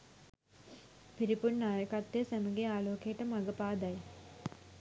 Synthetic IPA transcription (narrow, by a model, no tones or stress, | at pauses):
piɾipunːaːjɐkɐt̪ːesɐmɐɡeaːloːkeːʈːɐmɐɡɐpaːd̪aːj